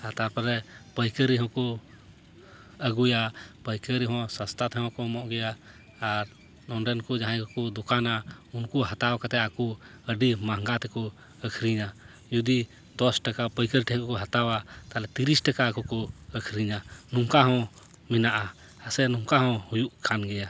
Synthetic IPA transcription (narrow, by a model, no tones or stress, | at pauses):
at̪aɾpəɾɛpəjkəɾiɦɔ̃kɔ | əɡujapəjkəɾiɦɔ̃sast̪at̪ʰɛɦɔ̃kɔmɔʔɡɛjaː | ɾ | nɔnɖɛnkɔd͡ʒaɦãkkɔd̪ukanaunkɔɦat̪awkat̪ɛaku | əɖimaɦŋɡat̪ɛkɔ | əkʰɾiɲa | jud̪i | d̪ɔsʈəkapəjkəɾʈɛɦkkɔɦət̪awat̪alɛt̪iɾisʈəkakukɔəkʰɾiɲanuŋkaɦɔ̃ | minaʔa | əsɛnũŋkaɦɔ̃hujuʔkʰanɡɛja